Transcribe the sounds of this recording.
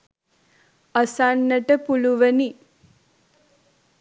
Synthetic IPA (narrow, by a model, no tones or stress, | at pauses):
ɐsanːəʈəpuluʋəni